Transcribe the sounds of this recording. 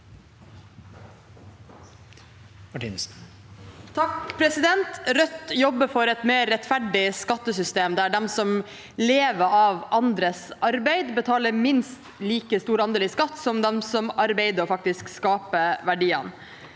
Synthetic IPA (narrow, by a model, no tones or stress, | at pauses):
mɑʈḭns | t̪ʰɑkpʰɾɛsɪd̪ɛnt̪ɾœt̪jɔbːəfɔɾɛt̪meːɾɾɛt̪fæɖɪskɑt̪ːəsʏst̪eːmd̪ææɖɛmsɔm | leːʋəɾɑʋʔɑnd̪ɾəsʔɑɾbæɪd̪bət̪ʰɑːləɾmɪnst̪liːkəst̪uːɾɑnd̪eːliːskɑt̪ːsɔmd̪ɛmsɔmʔɑɾbeɪd̪əɔfɑk̚t̪ɪskskɑːpəʋæɖiːə̰n